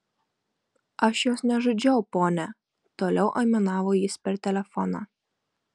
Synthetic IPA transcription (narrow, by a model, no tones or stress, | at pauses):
ɐʃjoːsnʲɛʒod͡ʒʲɛʊpoːnʲɛ | t̪oːlʲɛʊʔɐɪmʲɛnɑːʋoːjɪspʲɛɾt̪ʲɛlʲɛfɔnɑ̰ː